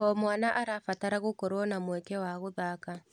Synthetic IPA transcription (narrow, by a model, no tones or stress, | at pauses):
ɔmwanaʔaɾafataɾaɣokɔɾwɔnamwɛkɛwaɣoðaka